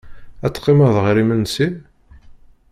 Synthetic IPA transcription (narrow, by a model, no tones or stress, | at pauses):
æt͡sːqːeməðˤʁɾimənsi